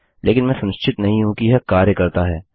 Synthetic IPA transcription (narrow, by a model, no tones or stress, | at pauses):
lʔeːkɪnmɛ̃ːsɐ̃nst͡ʃʰɪt̪nɐɦĩɦũkiɦɛkaːɾjəkɐɾt̪aɦɛː